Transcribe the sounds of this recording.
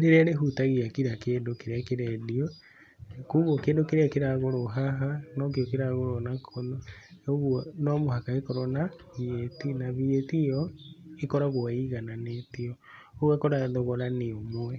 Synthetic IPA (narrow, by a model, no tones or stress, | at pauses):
ɾeɾeaɾeɦutaɣiakiɾakeːndokeɾeakeɾɛðiɔ | kuːɣokeːndokeɾeakeɾaɣoɾoɦaɦanɔk̬iɔkeɾaɣoɾonakʰɔnɔoɣuɔnɔmohakaekɔɾɔna | βietinaβietijɔekɔɾaɣwaiɣananetiɔ | oɣwakɔɾaðɔɣɔɾaneomoɛ